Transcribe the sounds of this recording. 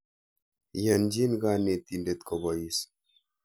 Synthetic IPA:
ja˨nd͡ʒi˦nɡa˨ne˨t̪i˨nde˨t̪ko˨bɔ˨ji˨s

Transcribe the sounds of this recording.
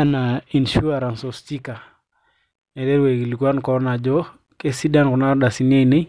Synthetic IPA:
ana˨i˨nʃu˦aɾa˨nsɔ˨sti˦ka˨ | nɛ˨dɛ˦ɾwe˨ɡi˨li˨ku˦a˦nkɔna˨d͡ʒɔ˦ | ke˦si˦da˦nkɔ˨na˦ɾda˨si˦ne˦ine˦

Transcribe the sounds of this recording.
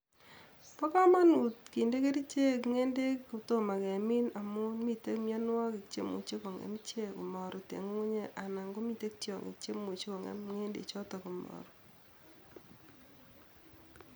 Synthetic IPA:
pɔ˦ka˦ma˦nu˨tki˨nde˦ke˦ɾi˦t͡ʃe˦kŋe˦nde˦ku˨to˦ma˨kɛ˨mi˦na˨mu˦mi˨te˦kmjɔ˦nwa˦ki˨kt͡ʃḛ˦mṵ˨t͡ʃe˦kɔ˨ŋɛ̰˨m˦t͡ʃe˦ku˨mɔ˨ɾu˨tḛ˨ŋu˦ŋu˦ɲe˦ʔa˨na˨ŋɡo˦mi˨te˦k̚tjɔ̰˨ŋḛ˨kt͡ʃe˦mu˨t͡ʃe˦kɔ˨ŋɛ̰˨˦mŋe˦ndḛ˨t͡ʃɔ˦tɔ˨ku˨mɔ̰˨ɾu˨

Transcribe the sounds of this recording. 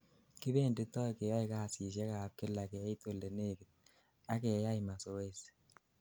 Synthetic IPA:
kɪ˦be˦˨ndɪ˦tɔ˦jkɛ˨ja˦ɪ˨ka˦˨sɪ˨s̬a˦ka˨p̚kɪ˦la˨kɛ˨˦ɪ˦to˨lde˨ne˦˨ki˨t̚ | a˦kɛ˨ja˦ɪ˨ma˨so˨˦e˦s

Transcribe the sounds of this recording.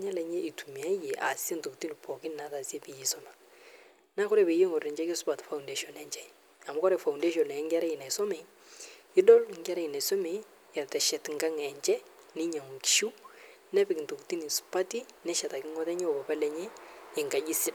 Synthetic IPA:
ɲɛ˦lɛ˨ɲɛ˦ʔi˨tu˨mi˨a˦je˨ʔa̰˨si˦e˦nto˨kti˦ni˨pɔ˨kɪ˦n˨na˦ta˨si˦e˦pi˨ji˦sɔ˦na˨ | na˦kʊ˦ɾɛ˦˨pe˨˦je˦ŋɔ˨rɛ˨ɲd͡ʒɛ˦ksʊ˦pa˨tfa˨u˨nde˦ʃɔ˨nɛ˨ɲt͡ʃɛ˦ | a˨mʊ˦kɔ˦ɾɛ˨fa˨wu˨nde˦ʃ̬ɔ˨nɛ˨˦ŋɡɛ˦ɾɛ˦i˨na˨ɪ˨sɔ˦mɛ˨˦ | ɪ˦dɔ˦lŋɡa˦ɾɛ˦ɪ˨na˨sɔ˦me˨˦ | ja˨tɛ˨ʃɛ˨tŋɡa˦ŋɛ˨ɲt͡ʃɛ˦ | nɪ˦ɲa˨ŋ˨ki̥˦ʃu˦ | nɛ˦pɪ˨knto˨kti˦ni˨sʊ̥˨pa˦ti˦nɛ˦ʃɛ˨ta˨kɪ˦ŋɔ˦tɛ˦ɲɛ˦o˨ba˨pɛ˦lɛ˨ɲɛ˦ɪ˨ŋɡa˨ʄi˦sɪ˦

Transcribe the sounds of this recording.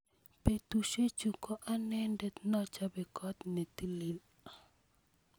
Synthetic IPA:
pe˨t̪u˨ʃe˦t͡ʃu˨kɔ˦ʔa˦nɛ˦ndɛ˨t̪nɔ˦t͡ʃa˦bɛ˨kɔ˦t̪ne˨t̪i˦li˨l

